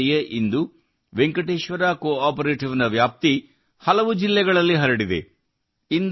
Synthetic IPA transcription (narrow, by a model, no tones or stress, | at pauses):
jeʔind̪u | ʋeŋkɐʈeːʃʋɐɾaːkoːaːpɐɾeːʈiʋnɐʋjaːp̚t̪i | hɐlɐʋud͡ʒilːɛɡɐɭɐlːiɦɐɾɐɽid̪e̞̰ | ind̪